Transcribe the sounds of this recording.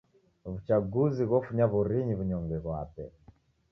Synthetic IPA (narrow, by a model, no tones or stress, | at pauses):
βut͡ʃaɡuziɣɔfuɲaβuɾiɲiβuɲɔŋɡɛβwa̰pɛ